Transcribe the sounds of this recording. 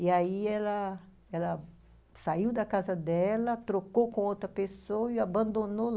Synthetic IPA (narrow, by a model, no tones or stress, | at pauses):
iaiɛlɐ | ɛlɐ | saiwd̪ɐkazɐd̪ɛlɐt̪ɾokokõowt̪ɾɐpesowɐiabɐ̃nd̪onol